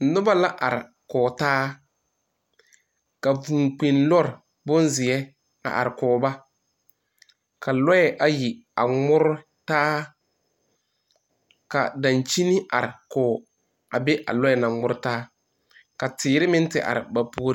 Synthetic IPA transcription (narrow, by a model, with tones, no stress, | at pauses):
nʊ˦ba˦la˦ʔa˨ɾɪ̰˨ | kɔː˨taː˦ | ka˨vu˨ŋk͡pi˨nlɔ˦ɾɪ˨ | bʊ˦nzɪ˨ɛ˦ | a̰˨ʔa̰˨ɾɪ˨kɔː˨ba˦ | kʰa˨lɔ˦ɛ˨ʔa˨ji˨a˨ŋŋ͡mʊ˦ɾʊ˦ | taː˦ | ka˨da˨nt͡ʃi˦nɪ˦a̰˨ɾɪ˨kɔː˨ | a˨bɛ˦ʔa̰˨lɔ˦ɛ˦˨na˨ŋʊ˦ɾʊ˦taː˦ | ka˨tɪː˨ɾɪ˦mɪ˦n˦tɪ˨ʔa̰˨ɾɪ̰˨ba˨pu˦